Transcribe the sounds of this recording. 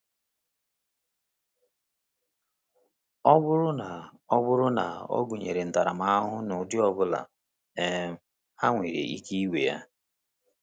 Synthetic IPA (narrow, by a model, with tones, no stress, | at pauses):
ɔ˦bʊ˦ɾʊ˦na˨ | ɔ˦bʊ˦ɾʊ˦na̰˨o̰˦ɡu˨ɲe˨ɾe˨n̩˨ta˨ɾa˨ma˦ɦʊ˦nʊ˨dɪ˦ɔ˦bʊ˦la̰˨ | ɛ˨m̩˦ | ha˦ŋʷe˨ɾḛ˨ʔḭ˦ki˦i˦wḛ˨ja̰˦